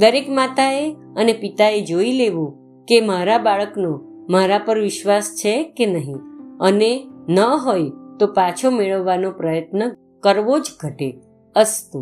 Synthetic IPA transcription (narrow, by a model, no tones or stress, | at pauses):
d̪əɾekmat̪ae | ənepit̪aed͡ʒoileʋũ | kemaɾabaɭəkno | maɾapəɾʋɪʃʋast͡ʃʰekenəɦĩənenəɦojt̪opat͡ʃʰomeɭəʋːanopɾəjət̪nə | kəɾʋod͡ʒɡʱəʈe | əst̪u